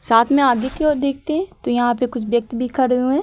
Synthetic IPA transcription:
saːt̪ʰmɛ̃aːɡekeɔːɾd̪eːk̚ʰt̪eɦɛ̃t̪ojɐɦãpekʊt͡ʃʰʋjɐk̚t̪bʱikɐɾũɦɛ̃ː

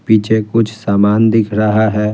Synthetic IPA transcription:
piːt͡ʃʰekʊt͡ʃʰsaːmaːnd̪ɪkʰɾəɦaɦɛː

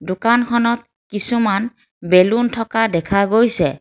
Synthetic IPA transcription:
dʊkankʰɔnɔt̚ | kisuman | beluntʰɔkadɛkʰaɡojsɛ

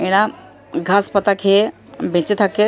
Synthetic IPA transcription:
eña | ɡʱaspət̪akʰe | bʱẽːt͡ʃet̪ʰakːe

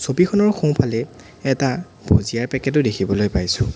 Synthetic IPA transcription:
sobixʰɔnɔɹxõw̃pʰalɛ | ɛta | b̥ʱozijaɹpɛkɛt̬ʊdekʰibɔlojpajsʊ̃

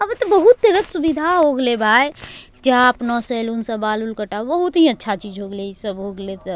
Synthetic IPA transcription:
əbt̪ɔbəɦut̪ːəɾək̪subid̪ʱaɦoɡlebʱaːj | d͡ʒapnɔselunsə̃baːlulkəʈabəɦut̪ɦiətːʃʰat͡ʃiːd͡ʒɦoɡlesəbɦoːɡlet̪

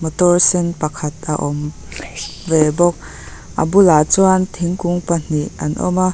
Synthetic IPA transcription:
mɔt̪ɔrsɛnpɐkʰɐt̪̚a̰ʔɔm | vɛbɔk̚ | ʔabulaːt͡suant̪ʰiŋkuŋpan̥iʔʔɐ̰nʔɔ̰ma

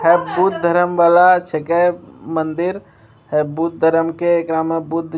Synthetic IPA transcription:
ɦɛbut̪̚d̪ʱəɾəmʋalat͡ʃʰekəmənd̪iɾ | hɛbut̪̚d̪ʱəɾəmkeːkɾamebud̪ʱ

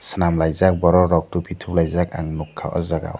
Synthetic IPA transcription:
sɯnamlajzak̚bɔɾɔɾɔk̚tupʰitʰuplajzakaŋnukʰːa̰ʔɔ̰zaɡa̰w

